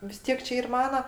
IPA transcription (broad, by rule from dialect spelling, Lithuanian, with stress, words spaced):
ʋʲɪs ˈtʲiɛk t͡ʃʲɛ ˈiːr ˈmɑːnɐ